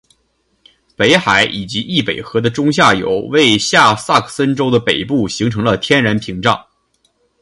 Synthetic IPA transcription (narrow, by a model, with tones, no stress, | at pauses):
pe˧˥ɪxa˨˧˩ɪʔi˨˩t͡ɕi˧˥ʔi˥˩pe˨˩ɪxɤ˧˥d̪ə˧ʈ͡ʂʊ˥ŋɕ̬ja˥˩jo̰˨˩˥ʊwe˥˧ɪɕja˥˩sa˥˩kʰsə˥nʈ͡ʂo˥ʊd̪ə˨pe˨˩ɪpu˥˩ɕi˧˥ŋʈ͡ʂʰɤ˧˥ŋlə˧t̪ʰjɛ˥nɻa˧˥npʰi˧˥ŋʈ͡ʂɑ˥˩ŋ